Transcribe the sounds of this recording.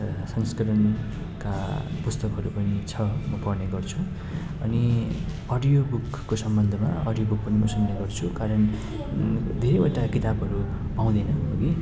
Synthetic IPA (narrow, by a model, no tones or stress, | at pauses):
sʌŋskʌɾʌn | kapust̪ʌkɦʌɾupʌnit͡sʰʌmʌpʌrneɡʌrt͡sʰu | ʌni | ʌɖijobukːosʌmbʌnd̪ʱʌmaʌ̰ɽijobuk̚pʌnimʌsʌnneɡʌrt͡sʰukaɾʌn | d̪ʱeɾejoʈakit̪abɦʌɾu | paw̃d̪enʌoɡi